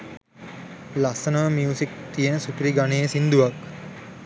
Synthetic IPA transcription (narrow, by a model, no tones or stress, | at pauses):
lasənəʋəmjuːsik̚t̪ijənəsukɾiɡaneːsind̪uʋak